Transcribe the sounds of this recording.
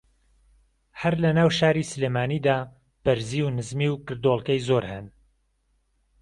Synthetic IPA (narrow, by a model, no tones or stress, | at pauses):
hɐɾlɐnaːwʃaːɾisɨlemaːniːd̪aː | b̥ɐɾziːwnɨzmiwkɨɾd̪olˠkɐjzoɾhɨn